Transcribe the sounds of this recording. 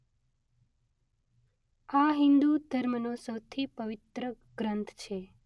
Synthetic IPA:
aɦɪ̃nd̪ud̪ʱəɾmənosəwt̪ʰipəʋɪt̪ɾə | ɡɾənt̪ʰt͡ʃʰe

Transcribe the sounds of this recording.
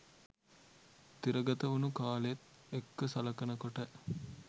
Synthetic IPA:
t̪iɾɐɡɐt̪ɐʋunukaːleet̪ | ekːəsɐlɐkɐnɐkoʈə

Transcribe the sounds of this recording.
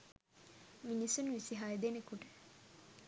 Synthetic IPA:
minisunʋisiɦajed̪enekuʈə

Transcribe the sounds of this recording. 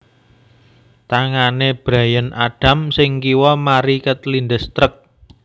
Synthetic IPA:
t̪aŋaneb̥ɾa̤jənʔaɖ̥ä̤msɪŋkiwɔmaɾikət̪lind̪əst̪ɾək̚

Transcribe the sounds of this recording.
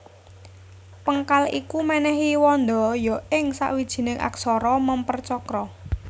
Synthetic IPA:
pəŋkalikumanɛɦiwɔnd̪ɔ̤jɔɪŋsa̰ʔwid̥ʒ̥i̤nɪŋʔa̰ksɔɾɔməmpərt͡ʃɔkɾɔ

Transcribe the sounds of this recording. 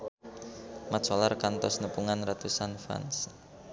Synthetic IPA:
mḁt͡ʃɔlarkant̪ɔsnəpuŋanrat̪usanfa̰ns

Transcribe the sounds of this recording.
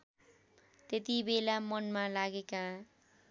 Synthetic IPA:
t̪et̪ibelamʌnmalaɡeka

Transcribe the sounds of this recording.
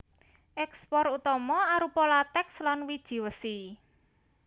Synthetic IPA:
ʔɛkspɔrut̪ɔmɔaɾupɔlat̪ɛkslanwid̥ʒ̥i̤wəsi

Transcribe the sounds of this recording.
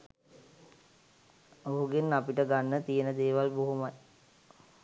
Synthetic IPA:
oɦuɡenapiʈəɡanːət̪ijənəd̪eːʋalboɦumaj

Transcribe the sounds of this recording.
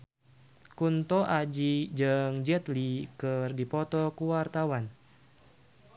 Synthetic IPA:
kunt̪ɔʔad͡ʒid͡ʒɨŋd͡ʒɛt̪likɨrdipɔt̪ɔkuwart̪awan

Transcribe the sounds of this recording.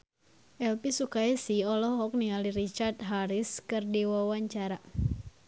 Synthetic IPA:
ʔɛlpisukaɛsiɔlɔhɔk̚nialiɾit͡ʃart̪̚ɦaɾiskɨrdiwawaɲt͡ʃaɾa

